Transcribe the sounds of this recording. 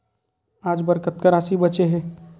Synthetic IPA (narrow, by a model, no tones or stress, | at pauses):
ad͡ʒbəɾkət̪kəɾasibət͡ʃeɦe